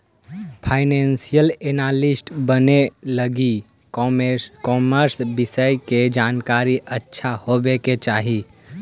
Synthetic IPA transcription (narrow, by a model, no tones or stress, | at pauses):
pʰaːɪnensijəlenalɪsʈbəneləɡi | kɔːməɾsbɪsəjked͡ʒaːnkaːɾiʔətːʃʰahobeket͡ʃaːɦi